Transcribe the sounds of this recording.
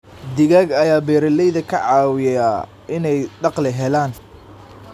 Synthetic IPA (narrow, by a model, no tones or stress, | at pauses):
d̪ɪɣaːɡɐjaːbɛːɾɐlɛjðɐkʰɐʕɑːwɪjaː | ɪnɛjd̪ɑqlɪɦɛlaːn